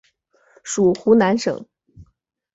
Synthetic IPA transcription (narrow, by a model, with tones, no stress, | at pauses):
ʂu˨˩xu˧˥na˧˥nʂɤ̰˨˩˦ŋ